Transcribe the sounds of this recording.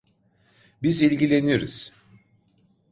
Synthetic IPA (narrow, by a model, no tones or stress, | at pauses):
bizilʲɟilʲe̞niɾḭz̥